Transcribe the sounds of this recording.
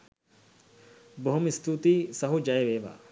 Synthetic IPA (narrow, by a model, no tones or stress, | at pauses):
boɦomist̪uːt̪iːsɐɦud͡ʒɐjeʋeːʋa̰ː